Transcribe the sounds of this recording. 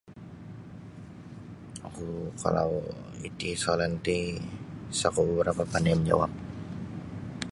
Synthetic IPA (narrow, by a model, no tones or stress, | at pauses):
akukʰa̰la̰wḭt̪isolɛnt̪i | sakubəbəɾapapanamd͡ʒa̰wap̚